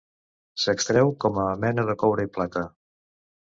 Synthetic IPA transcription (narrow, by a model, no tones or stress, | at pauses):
səkst̪ɾɛwkɔməːmɛnəðəkɔwɾəiplat̪ə